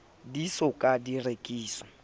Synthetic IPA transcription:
disɔkʼadirekʼiːsɔ̥

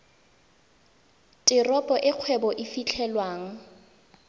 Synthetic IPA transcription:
tʼɪrɔpʼɔʔɪq͡χʰwɛbɔʔɪfit͡ɬʰɛlwaːŋ̩

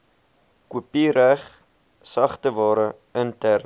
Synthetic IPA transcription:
kuəpiɾæχ | sɐχtəvɑːɾə | əntærn

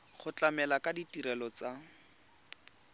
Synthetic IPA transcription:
χʊt͡ɬamɛlakʼaditiɾɛlɔt͡sa

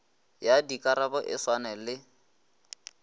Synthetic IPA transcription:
jadikʼaɾabɔʔɪswanɛlɪ

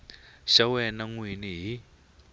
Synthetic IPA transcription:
ʃawɛnaŋwiniɦi

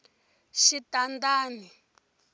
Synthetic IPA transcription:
ʃitandaːni

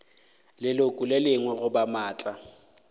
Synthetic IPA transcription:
lɪlokʼʊlelɪŋwɛɣʊbamaːt͡ɬʼa

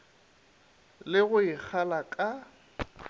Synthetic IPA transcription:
lɪɣʊɪk͡xʰalakʼa

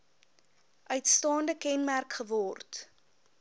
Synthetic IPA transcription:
ʔœɥtstɑːndəkɛnmærkχəvɔrt

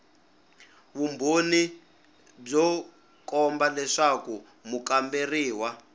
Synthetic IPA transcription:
βumbʱoni | b͡ʐɔ | kɔmbalɛʂaku | mukamberiːwa

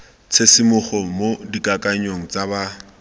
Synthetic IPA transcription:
t͡sʰesɪmʊχɔmodikakʼaɲoŋ̩t͡saba

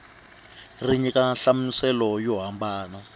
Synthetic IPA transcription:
riɲikaɬamusɛlɔjɔɦambaːnɔ

